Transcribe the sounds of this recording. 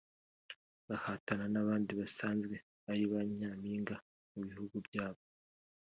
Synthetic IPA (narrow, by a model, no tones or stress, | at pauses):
βahatananaβaːndiβasaːnzɡwe̞ | aɾiβaɲaːmiːŋɡa | muβihuɡubjaːβo